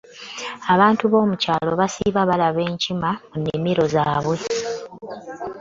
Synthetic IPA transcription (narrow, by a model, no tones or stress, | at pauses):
aβaːntuβo̞ːmucaːlo̞βasḭβaβalaβe̞ːɲcimamunːimiɾo̞zaːβwe̞